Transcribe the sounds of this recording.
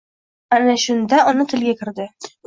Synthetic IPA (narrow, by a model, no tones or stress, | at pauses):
anaʃʊnd̪aɒnɪt̪ʰɪ̆lɡʲakʰʲɪ̆ɾd̪ɪ